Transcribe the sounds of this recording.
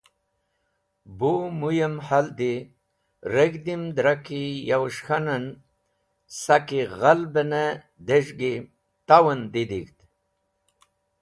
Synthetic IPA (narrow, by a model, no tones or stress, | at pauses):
bumujəmhald̪i | ɾeɡd̪imd̪ɾakijawʂxanan | sakiɣalbəne | d̪eʐɡi | t̪awɐnd̪id̪ikt̪